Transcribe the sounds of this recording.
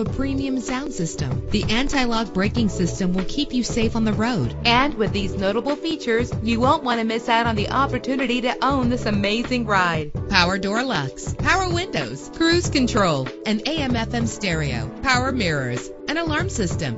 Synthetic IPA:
əpʰɹ̥ĩmiɨ̃msãʊ̃nsɪstɨ̃mðiʔæ̃ntʰaɪlɑɡ̚bɹeɪkɪ̃ŋsɪstɨ̃mwɪlˠkʰipjɨseɪfn̩ðɨɹoʊd̥ɨ̃nwɨðiznoʊɾəbl̩ˠfit͡ʃə˞zjɨwõʊ̃nʔ̚wɑ̃ñtɨmɪsaʊɾn̩ðiʔɑpə˞tʰʉnɨɾiɾɨʔõʊ̃nðɪsɨmeɪzɪ̃ŋɹaɪd̥̚pʰaʊə˞dɔɹlʌkspʰaʊə˞wɪ̃ndoʊz̥kʰɹ̥ʉz̥kɨ̃ntʰɹ̥oʊlˠʔɨ̃neɪɛ̃mɛfɛ̃mstɛɹio̰ʊpʰaʊə˞mɪɹə˞z̥ | ʔɨ̃ñəlɑɹmsɪstɨ̰̃m

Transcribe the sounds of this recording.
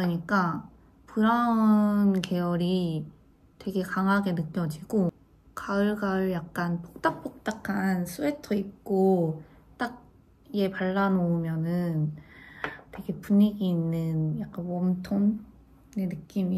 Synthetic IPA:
ɯɲik͈a | pɯɾanke̞jʌɾi | twe̞ɡe̞kaŋɦaɡe̞nɯk͈jʌd͡ʑiɡ̥o | kaɯɭɡaɯɭjak̚k͈anpʰo̥k̚t͈ak̚p͈ʰok̚t͈akʰansʰuetʰʌip̚k͈o | t͈ak̚ | ije̞paɭːanoumjʌnɯn | twe̞ɡe̞puɲiɡiːnːɯnjak̚k͈anwʌmtʰon | e̞nɯk͈imi

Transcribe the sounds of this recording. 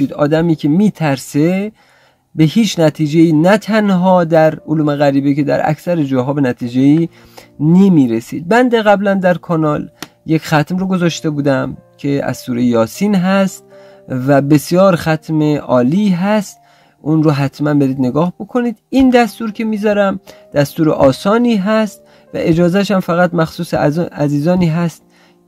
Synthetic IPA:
id̪ɒ̰ːd̪æmiːkʲʰe̞miːt̪ʰæɾse̞ | be̞hiːt͡ʃʰnæt̪ʰiːd͡ʒeiːnæt̪ʰænɦɒːd̪æɾoluːme̞ɣæɾiːbekʰe̞d̪æ̰ɾʔæ̰ksæɾed͡ʒɒːɦɒːbe̞næt̪ʰiːd͡ʒe̞iː | ne̞miɾesiːd̪̚bænd̪eɣæblænd̪æɾkʰɒnɒːl | jecxæt̪mroɡo̞zɒːʃt̪e̞buːd̪æmcʰe̞æ̰z̥suːɾejjɒːsiːnɦæst̪̚ | væbe̞sjɒːɾχæt̪ʰmeʔɒːliɦæst̪ | ʔunroɦæt̪ʰmænbe̞ɾiːd̪ne̞ɡɒːhbo̞kʰo̞niːd̪iːnd̪æst̪uːɾcʲʰe̞miːzɒːɾæmd̪̥æst̪uːɾḛʔɒːsɒːniːɦæst̪̚ | væ̰ʔe̞d͡ʒɒːzæʃ̬æmfæɣæt̪mæxsuːseæziːzɒːniːɦæst̪̚

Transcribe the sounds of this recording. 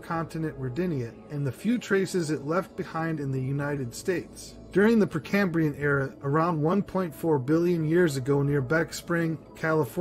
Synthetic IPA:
kʰɑ̃ntɨnɨ̃nʔɹə˞dɪ̃niɨ | ɨ̃nðɨfjʉtʰɹ̥eɪsɨzɨtˡlɛft̚b̥ɨhãɪ̃ndɨ̃nðɨjʉnaɪɾɨd̥steɪts | d̥ʊɹɪ̃ŋðɨpʰɹ̥ɨkʰæ̃mbɹiɨ̃nɛɹɨə˞ãʊ̃nd̚wʌ̃npʰɔ̃ɪ̃ntfɔɹbɪlˠjɨ̃njɪɹzɨɡoʊnɪɹbækspɹɪ̃ŋkʰælˠəfɔ

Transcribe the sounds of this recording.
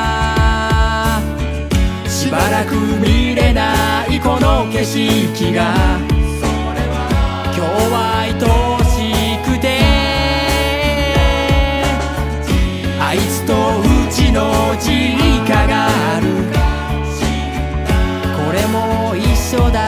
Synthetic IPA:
ɕiibaɾakɯ̟mʲiɾe̞naiko̞noke̞ɕikʲiɡa | kʲoːβait̪oɕikɯ̟t̪e | ait͡sɨ̥t̪o̞ɯ̟t͡ɕino̞d͡ʑiɲikaɡaaɾɯ̟ | ko̞ɾe̞mo̞ | iɕːo̞d̪a

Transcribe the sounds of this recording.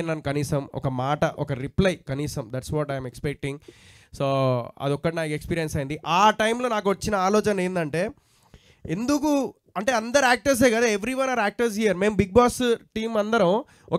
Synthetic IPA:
nɐnukɐniːsɐmɔ̰kɐmaːʈɐʔɔkɐɾiplɐjkɐniːsɐmd̪æʈsʋɔːʈɐjmekspek̚ʈiŋɡ | soːɐ̰d̪ɔkːɐʈinaːkuekspiːɾijɐnsɐjind̪iʔaːʈɐjmlo̞ːnaːk̬uʋɐt͡ʃːinɐaːlɔːt͡ʃɐneːnd̪ɐɳʈe̞ː | end̪uku | ɐɳʈe̞ːɐnd̪ɐɾaːk̚ʈɐɾs̬eːɡɐd̪aːeʋɾiʋɐnaːɾaːk̚ʈɐɾs̬ɦijɐɾme̞ːmbiɡ̚baːksʈiːmɐnd̪ɐɾɐm | ɔ

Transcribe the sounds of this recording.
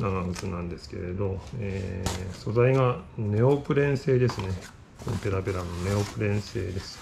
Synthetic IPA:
naɡaɡɯt͡sɨnãnd̪e̞sɨ̥ke̞̰ɾe̞d̪o̞eːso̞zaiɡane̞opɯ̟ɾẽ̞ɰ̃se̞ːd̪e̞sɨne̞ | konope̞ɾapeɾanone̞o̞pɯ̟ɾẽ̞ɰ̃se̞̰ːd̪e̞sɨ̥

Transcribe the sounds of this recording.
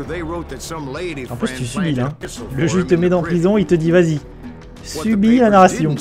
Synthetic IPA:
ðeo | ɑ̃plyst̪ysybilɛ̃ləʒyt̪əmɛd̪ɑ̃pχizɔ̃ilt̪əd̪ivazi | ssybilanaʁasjɔ̃

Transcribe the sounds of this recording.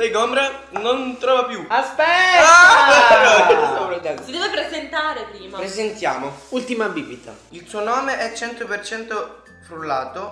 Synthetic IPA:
lejɡɔmbɾa | nont̪ɾɔːvapjuaspɛavɛɾosopɾet̪ɛsid̪ɛːvepɾezent̪aːɾepɾiːmapɾezent̪ja̰ːmoult̪imabibit̪a̰ | ilsuonɔːmeʔɛt͡ʃːɛnt̪opert͡ʃɛnt̪o | fɾulaːt̪o

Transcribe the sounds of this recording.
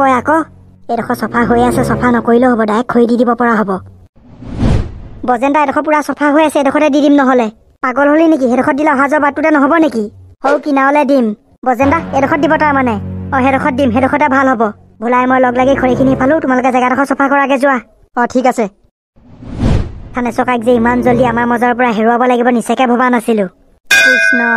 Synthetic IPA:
kɔjakɔ | ɛdɔxʰɔsɔpʰaɦojasɛsɔpʰanɔkoɹiloɦɔbɔdajɛkʰːoɹididibɔpɔɹaɦɔbɔ | bɔzɛndaɛdɔxʰɔp̬uɹasɔpʰaɦojasɛɛdɔxʰɔtɛdidimnɔɦɔlɛ | paɡɔlɦolinek̬iɦɛdɔkʰɔt̚dilɛɔɦazɔɹbatːʊtɛnɔɦɔbɔnekihowkinaɔlɛdim | bɔzɛndaɛdɔkʰɔt̚dibɔtaɹmanɛɔɦɛdɔkʰɔt̚dimɦɛdɔxʰɔtɛbʱalɦɔbɔ | bʱulajɛmojlɔɡlaɡɛkʰɔɹikʰinipʰalʊ̃tʊmalʊkɛzɛɡadɔxʰɔsɔpʰakɔɹakɛzʊwa | ɔtʰikasɛ | tʰanɛsɔkajk̚zɛimanzoliamaɹmɔzɔɹpɔɹaɦeɹuabɔlaɡibɔnisɛkɛbʱɔbanasilʊ̃ | pɹisnɔ

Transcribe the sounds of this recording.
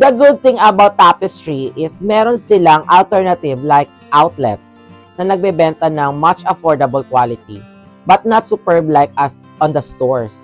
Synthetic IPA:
d̪ɐɡʊd̪̚θɪ̃ŋɐbawt̪ːapɪst̪ɹiʔɪsmɛɾonsɪlaŋʔɐlt̪ɛɹnɐt̪ɪvlajk̚ʔawt̪lɛ̰t̪̚s | nɐnɐɡ̚bɛbɛnt̪ɐnɐŋmɐt͡ʃɐfɔɹd̪ɐbɐlkwalɪt̪̚ḭ | bɐt̪̚nɐt̪sʊpɛɹblajk̚ɐs | ʔɔ̃nd̪ɐst̪oɹs

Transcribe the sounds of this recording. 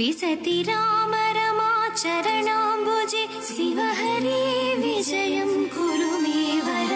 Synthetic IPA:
isɐt̪iɾaːmɐɾɐmat͡ʃɐɾɐɳaːmbʱod͡ʒe | siʋɐɦɐɾiʋid͡ʒɐjɐmɡuɾumeʋɐɾ

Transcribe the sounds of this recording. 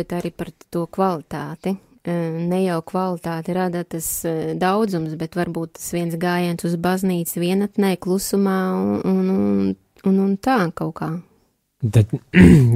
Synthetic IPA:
bɛt̪aɾipaɾt̪uɔkvalˠit̪aːt̪i | nɛjawkvalˠit̪aːt̪iɾad̪at̪asd̪awd̪zumsbɛt̪ʋaɾbuːt̪t̪ḁsʋiɛnsɡaːjantsuzbazniːt̪sʋiɛnat̪nɛjklˠusumaːuunun | ununt̪aːkawkaː | t̪at̪

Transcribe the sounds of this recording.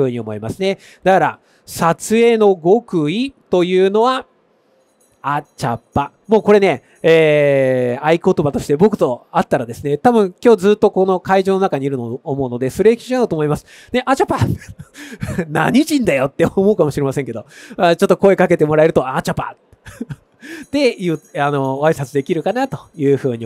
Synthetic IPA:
ɯ̟ːɲ̟io̞mo̞imasɨne̞ | d̪̥akaɾa̰ | sat͡sɨe̞no̞ɡo̞kɯ̟it̪o̞jɯ̟ːno̞βa | at͡ɕa̰pːa | mo̞ːko̞ɾe̞ne̞ | eː | aiko̞t̪o̞bat̪o̞ɕi̥t̪e̞bo̞kɯ̟̥t̪o̞at̪ːaɾad̪e̞sɨne̞t̪abɯ̟̃ŋkʲo̞ːzɨːt̪ːo̞ko̞no̞kaiʑoːno̞nakaɲ̟iɾɯ̟noomo̞ɯ̟no̞d̪e̞sɨɾeːkʲi̥ʑiaɯ̟t̪oːmo̞imasɨ̥ | d̪e̞ʔat͡ɕapa | na̰ɲ̟it͡ɕĩnd̪ajo̞t̪ːe̞omo̞ɯ̟kamo̞ɕiɾe̞maseŋke̞d̪o̞at͡ɕo̞t̪ːo̞ko̞e̞kake̞t̪e̞mo̞ɾae̞ɾɯ̟t̪oat͡ɕapa̰ | d̪̥e̞jɯano̞aisat͡sɨd̪e̞kʲiɾɯ̟kanat̪o̞jɯ̟ːɸɯ̟ːɲ̟i

